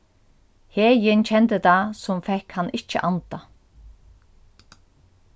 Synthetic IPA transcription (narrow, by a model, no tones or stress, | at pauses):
heːjɪnt͡ɕʰɛnt̪ət̪asʊmfɛhkhanːʔɪht͡ʃːə̰ʔant̪a